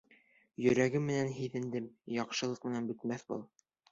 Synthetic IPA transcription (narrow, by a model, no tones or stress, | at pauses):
jɵ̆ɾæɡɘmːɘ̆nænɦiðɘ̆nd̪ɘmjɑqʃɤ̆lˠɤq̚mɘ̆nænbɵ̆t̪mæθbuɤ̰lˠ